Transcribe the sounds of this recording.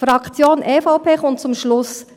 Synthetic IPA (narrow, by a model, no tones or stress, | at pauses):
fɾɑkʰt͡sjoːnʔɛːfɔʊpʰeːχʊntt͡sʊmʃlʊs